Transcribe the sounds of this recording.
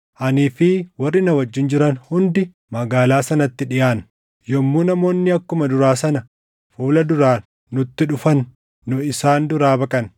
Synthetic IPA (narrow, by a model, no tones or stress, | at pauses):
ʔɐniːfɪwɐrːɪnɐwɐd͡ʒːɪnd͡ʒɪɾɐnhʊnd̪ɪ | mɐɡaːlaːsɐnɐt̪ːɪᶑɪjaːn | jɔmːuːnɐmo̞ːnːɪɐkːʊmɐd̪ʊɾaːsɐnɐ | fuːlɐd̪ʊɾaː | nʊt̪ːɪᶑʊfɐnː | ʊɪsaːnd̪ʊɾaːbɐkʼɐn